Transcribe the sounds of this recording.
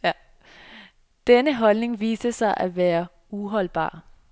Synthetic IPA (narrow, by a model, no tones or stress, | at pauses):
d̥enəɦɒ̽lne̝ŋʋḭːsəsɑ̈ɪʔæʋæːɐ | uɦɒ̽lb̥ɑ̰̈ː